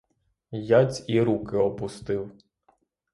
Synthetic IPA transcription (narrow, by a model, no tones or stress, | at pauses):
jɑt͡sʲiɾukɪɔpʊst̪ɪw